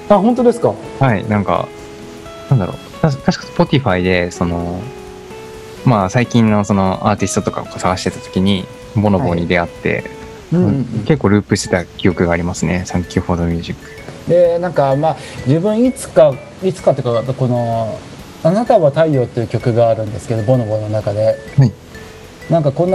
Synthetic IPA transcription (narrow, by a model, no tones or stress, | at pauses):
aɦont̪od̪esɨ̥kahainãŋka̰ | nãnd̪aɾo̞̰ | t̪aɕt̪aɕi̥kḁspo̞t̪ʲiɸaid̪e̞so̞no̞ | masaikʲĩnːo̞so̞no̞ʔaːt̪ʲisɨ̥t̪o̞t̪o̞ka̰okosaɡaɕi̥t̪e̞t̪at̪o̞̥kʲiɲ̟i | bo̞nobo̞ːɲ̟id̪e̞at̪ːẽ̞̰ | ke̞kːoːɾɯ̟ːpɯɕi̥t̪e̞t̪akʲijo̞kɯ̟ɡaːɾʲimasɨne̞sãŋkʲɨːho̞ːd̪omʲjɯ̟ːʑikːɯ̥d̪e̞nãŋkamad͡ʑɨbɯ̟̃ɰ̃it͡sɨ̥ka | it͡sɨ̥kat̪ːejɯ̟kako̞no̞ | anat̪aβat̪aio̞ːt̪ːeiɯ̟kʲo̞kɯ̟ɡaːɾɯ̟̃nd̪e̞sɨ̥ke̞d̪o̞bo̞no̞bo̞no̞nakad̪e̞hai | nãŋkakõ̞nː